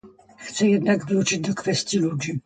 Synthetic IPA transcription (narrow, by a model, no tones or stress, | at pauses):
xt̪sɛjɛd̪naɡvɘut͡ʂɘd͡ʑd̪ɔkfɛst̪ʲjilud͡ʑi